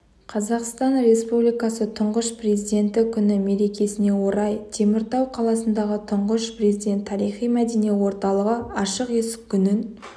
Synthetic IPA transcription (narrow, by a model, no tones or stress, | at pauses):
qʰɑzɑqst̪ɑnre̞spublijkɑsət̪ʰʊɴʁəʃpre̞zijd̪e̞nt̪ɪkʲʰʏnɪme̞ɾe̞kʲe̞sɪne̞wo̞ɾɑjt̪ʰe̞mɪɾt̪ɑwqʰɑlˠɑsənd̪ɑʁət̪ʰʊɴʁəʃpre̞zid̪ʲe̞nt̪ʰːɑɾijχijmæd̪enijewo̞ɾt̪ɑlˠəʁəɑʃəqe̞sɪ̥kʲʰːʏnɪn